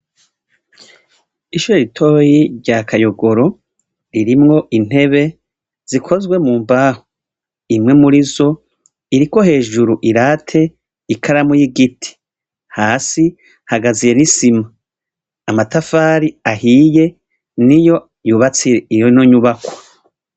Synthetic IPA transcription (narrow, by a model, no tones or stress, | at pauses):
iʃuɾeɾitʰo̞ːjiɾɟakajo̞ɡo̞ɾo̞ | ɾiɾimŋo̞ʔin̥he̞βe̞ | z̥ikʰo̞zɡwe̞muːmbaːho̥ | imŋe̞muɾizo̞ | iɾiko̞he̞ːʒuɾuʔiɾaːtʰe̞ | ikʰaɾamujiɡitʰi̥ | haːsi | haɡazije̞nisimaː | matafaːɾiahiːje̞ | nijo̞ | juβat͡siɾeijonoɲuβakwḁ